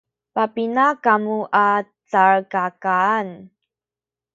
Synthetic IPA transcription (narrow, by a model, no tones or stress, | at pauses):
papinakamuʔat͡saɾkakaːn